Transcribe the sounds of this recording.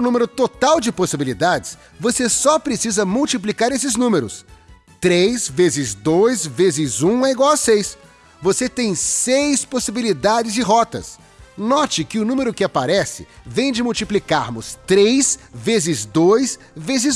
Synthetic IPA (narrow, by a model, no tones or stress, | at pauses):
ʊ̃nũmeɾʊt̪ot̪awd͡ʒɪposibilid̪ad͡ʒɪs | vosesɔpɾesizɐmuwt͡ʃiplikaɾesɪznũmeɾʊ̰s | t̪ɾejzvezɪzd̪ojzvezɪzũɛiɡwawɐsejs | voset̪ẽj̃sejsposibilid̪ad͡ʒɪzɪɦɔt̪ɐ̰s | nɔt͡ʃɪkɪʊnũmeɾʊkɪapaɾɛsɪ̰vẽj̃d͡ʒɪmuwt͡ʃiplikaɾmʊst̪ɾejzvezɪzd̪ojs | vezɪz